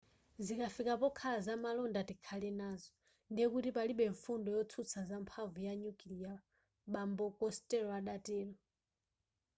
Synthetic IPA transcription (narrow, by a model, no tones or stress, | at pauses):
zikafikapɔkʰalazamalɔndatikʰalinaːzɔ | ndijɛkutipaliɓɛɱfundɔjɔt͡sʰut͡sʰazampʰavujaɲukilija | ɓambɔkɔstɛɾɔaɗatiːlɔ